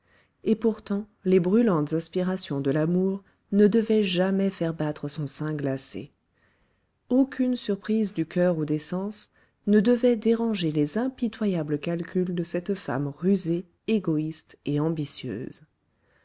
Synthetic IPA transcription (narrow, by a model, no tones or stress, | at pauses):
epuʁt̪ɑ̃ | lebʁylɑ̃t̪zɛspiʁasjɔ̃d̪əlamuʁ | nəd̪əvɛʒamɛfɛʁbat̪χəsɔ̃sɛ̃ɡlasḛ | okʰʲynsyʁpχizd̪ykʲœʁud̪esɑ̃s | nəd̪əvɛd̪eʁɑ̃ʒelezɛ̃pit̪wajabləkalkʲyld̪əsɛt̪fa̰mʁyze | eɡɔist̪eɑ̃bisjø̰ːz